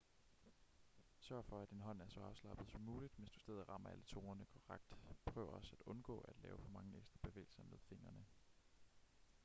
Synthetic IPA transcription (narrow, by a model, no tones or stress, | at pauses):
sɶɐfɒ̽æ̥d̥inɦɒ̽n̰æɐsɒ̽ɑ̈ʊslɑ̈b̥ð̩ˠsɒ̽mːuːlid̥ʋensd̥usd̥eð̞̩ˠʁɑ̈m̰ɐælət͡sʰo̝ːnɐnəkʰoʁaɡ̥̚d̥pʰʁœ̰ʊɐɒ̽sæd̥ɔ̽nɡ̥ɔ̰̽ːæd̥lɛ̰ːʊəfɒ̽mɑ̈ŋəeɡ̥sd̥ʁɐb̥e̝ʋḛːɪl̩sɐmeðˠfe̝n̰ɐnə